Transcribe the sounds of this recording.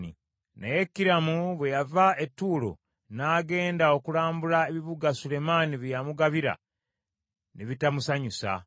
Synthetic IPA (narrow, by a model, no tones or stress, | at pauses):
ḭ | neje̞kːiɾamuβwe̞javae̞tːuːlo̞̰ | naːɡe̞ːndao̞kulaːmbulaeβiβuɡasule̞maniβjamuɡaβiɾa̰ | niβitamusaɲusa̰